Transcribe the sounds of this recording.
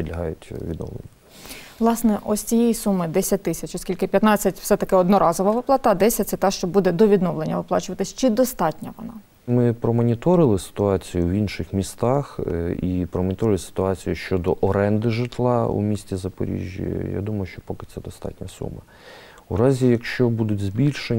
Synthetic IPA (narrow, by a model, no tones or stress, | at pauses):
pʲid̪ʲlʲɐɦɑjʊtʲʋʲḭd̪nɔ̰ʋlˠḛnʲːɐ | ʋlˠɑsnɛʔɔsʲt͡sʲijɛjisumɪd̪ɛsʲɐt̚ʲt̪ːɪsʲɐt͡ʃɔsʲkʲilʲkɪpʲjɐt̪nɑt͡sʲːɐtʲfsɛt̪ɐkɪɔd̪nɔɾɑzɔʋɐʋɪplˠɑt̪ɐd̪ɛsʲɐt̚ʲt̪sɛt̪ɑʃt͡ʃɔbud̪ɛd̪ɔʋʲid̪nɔʋlˠenʲːɐʋɪplˠɑ̰t͡ʃʊʋɐt̪ɪsʲt͡ʃɪd̪ɔst̪ɑtʲnʲɐʋɔnɑ | mɪpɾɔmɔnʲit̪ɔɾɪlˠɪsɪ̥t̪ʊɑt͡sʲijʊwinʃɪxmʲist̪ɑxipɾɔmɔnʲɪt̪ɔɾɪlʲˠɪsɪ̥t̪ʊɑt͡sʲijuʃt͡ʃɔd̪ɔʔɔɾɛnd̪ɪʒɪt̪lˠɑṵmʲisʲtʲizɐpɔ̰ɾʲḭʒʲjḭja̰d̪umɐjʊʃt͡ʃɔpɔkɪ̥t̪sɛd̪ɔst̪ɑ̰tʲnʲɐsṵmɐ | uɾɑzʲijɐkʃt͡ʃɔbud̪ʊtʲzʲbʲilʲʃe